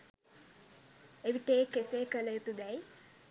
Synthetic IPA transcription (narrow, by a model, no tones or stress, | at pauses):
eʋiʈeːkeseːkɐlɐjut̪ud̪aj